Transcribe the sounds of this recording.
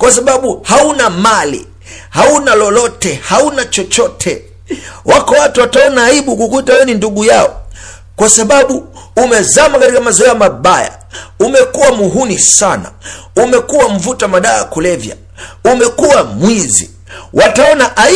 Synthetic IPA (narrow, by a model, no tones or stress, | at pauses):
kwas̬aɓaɓuhaunamalḭ | haunalɔlɔtɛhaunat͡ʃɔt͡ʃɔtʰɛ | wʔakɔwatuwataɔnaːiɓukukutajɛninduɠujaɔ̰ | kwasaɓaɓuː | mɛzamakatikamazɔɛjamaɓaja̰ | umɛkuwamuɦunisana̰ | umɛkuwam̩vutamaɗaːkulɛvja̰ | umɛkuwamwizḭ | wʔataɔnaʔa